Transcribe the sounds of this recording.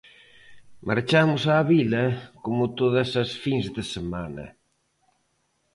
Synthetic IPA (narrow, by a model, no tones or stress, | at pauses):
mʔaɾt͡ʃamʊsaːβilɐkomʊt̪oðɐsɐsfiŋzðɪsemanɐ̰